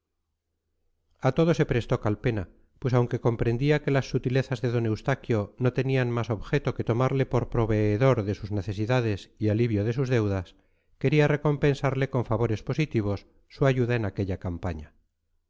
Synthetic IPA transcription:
at̪o̞ð̞o̞se̞pɾe̞st̪o̞kalpe̞na | pwe̞sawŋke̞ko̞mpɾe̞nd̪iake̞lasːut̪ile̞θazðe̞ðo̞ne̞wst̪akjo̞no̞t̪e̞nianmaso̞βxe̞t̪o̞ke̞t̪o̞maɾle̞po̞ɾpɾo̞βe̞ːðo̞ɾðe̞suzne̞θe̞siðaðe̞sialiβ̞jo̞ð̞e̞suzðe̞wðas | ke̞ɾiare̞ko̞mpe̞nsaɾle̞ko̞ɱfaβo̞ɾe̞spo̞sit̪iβ̞o̞sː | uaʝuðae̞nake̞ʎakampaɲa

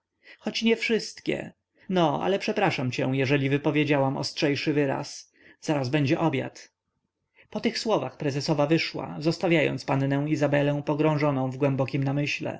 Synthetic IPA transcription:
xɔt͡ɕɲɛfʂɘst̪kʲɛ̰ | nɔa̰lɛpʂɛpɾaʂamt͡ɕɛw̃jɛʐɛlʲivɘpɔvʲjed͡ʑawamɔ̰stʂɛjʂɘvɘɾa̰s | z̥aɾazbɛɲd͡ʑɛʔɔbʲja̰t̪ | pɔt̪ɘxswɔvaxpɾɛzɛsɔvavɘʂwa̰zɔst̪avʲjajɔ̰nt̪spannɛ̃w̃izabɛlɛ̃w̃pɔɡɾɔ̃w̃ʐɔnɔ̃w̃vɡwɛmbɔkʲimnamɘɕlɛ̰

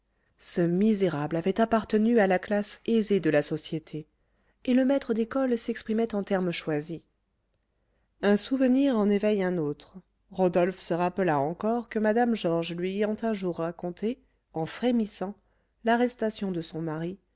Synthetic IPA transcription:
səmizeʁablavɛt̪apaʁt̪ənyalaklasezed̪əlasɔsjet̪ʰeː | ləmɛt̪χəd̪ekɔlsɛkspχimɛt̪ɑ̃t̪ɛʁmʃwazi | ɛ̃suvəniʁɑ̃nevɛjɛ̃not̪χ | ʁɔd̪ɔlfsəʁapəlaɑ̃kɔʁkəmad̪amʒɔʁʒlɥiejɑ̃t̪ɛ̃ʒuʁːakɔ̃t̪e | ɑ̃fχemisɑ̃ | laʁɛst̪asjɔ̃d̪əsɔ̃maʁi

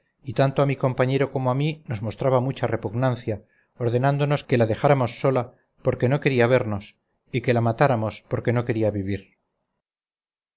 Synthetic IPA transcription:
it̪ant̪oamiko̞mpaɲe̞ɾo̞ko̞moamino̞zmo̞st̪ɾaβamut͡ʃare̞puɣnanθja | o̞ɾðe̞nand̪ono̞ske̞laðe̞xaɾamo̞sːo̞la | po̞ɾke̞no̞ke̞ɾiaβ̞e̞ɾno̞s | ike̞lamat̪aɾamo̞spo̞ɾke̞no̞ke̞ɾiaβiβiɾ

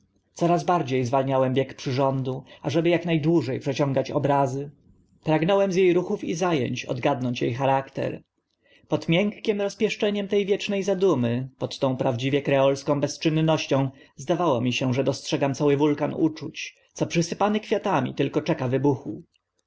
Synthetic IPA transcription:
t̪sɔɾazbaɾd͡ʑejzvalɲawɛmbʲjɛkpʂɘʐɔnd̪uaʐɛbɘjaknajd̪wuʐɛjpʂɛt͡ɕɔ̃ŋɡat͡ɕɔ̰bɾazɘ | pɾaɡnɔwɛmzʲjejɾuxufḭzajɛ̰ɲt͡ɕɔ̰d̪ɡad̪nɔɲt͡ɕjejxaɾakt̪ɛ̰ɾ | pɔt̪mʲjɛŋkːʲɛmɾɔspʲjɛʂt͡ʂɛɲɛmt̪ɛjvʲjɛt͡ʂnɛjzad̪umɘpɔt̪ːɔ̃w̃pɾavd͡ʑivʲjɛkɾɛɔlskɔ̃w̃bɛst͡ʂɘnːɔɕt͡ɕɔ̃w̃ | zd̪avawɔmʲiɕɛʐɛd̪ɔstʂɛɡamt̪sawɘvulkanṵt͡ʂut͡ɕ | t̪sɔpʂɘsɘpanɘkfʲjat̪amʲḭt̪ɘlkɔt͡ʂɛkavɘbuxu

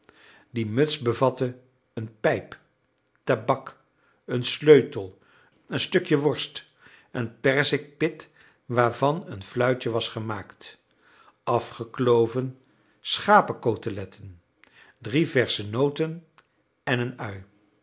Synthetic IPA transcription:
dimɵtsbəvɑtə | ənpɛjp | tabɑk | ənsløɥtəlˠ | ənstɵkjəʋɔɹst | ənpɛrzɪk̚pɪt | ʋaːɹvɑnənflœɥt͡ʃəʋɑsχəmaːkt | ɑfχəklowvən | sχaːpəkowtəlɛtʰən | drivɛɹsənowtən | ɛnənœɥ

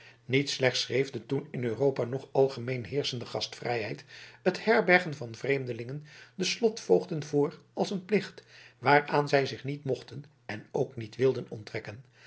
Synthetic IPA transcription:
nitslɛχtsrejvdətunɪnørowpanɔχɑlˠχəmejnɦɪːɹsəndəχɑstfrɛjɦɛjtəthɛɹbɛɹχənvɑnvrejmdəlɪŋəndəslɔtfowχdənvʊːɹ | ɑlˠsənplɪχtʋaːɹaːnzɛjzɪχnitmɔχtən | ɛnowknitʋɪlˠdənɔ̰ntʋɛkən

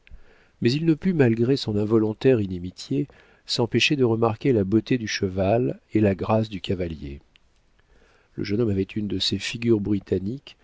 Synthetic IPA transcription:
mɛzilnəpymalɡʁesɔ̃nɛ̃vɔlɔ̃t̪ɛʁinimit̪ʰje | sɑ̃peʃed̪əʁəmaʁkʲelabot̪ed̪yʃəvalelaɡʁas̬d̪ykʰavaljḛ | lə̰ʒənɔmavɛt̪ʰynd̪əsefiɡʲyʁbʁit̪anik

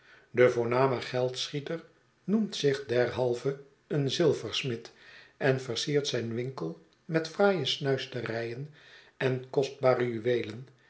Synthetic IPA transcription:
dəvʊːɹnaːməχɛlˠtsχitər | numtsɪχdɛrɦɑlˠvə | ənzɪlˠvəɹsmɪtʔɛnvərsiːrtsɛjnʋɪŋkəlˠ | mɛtfraːjəsnœɥstərɛjən | ɛnkɔsd̚baːrəjyʋeːjlən

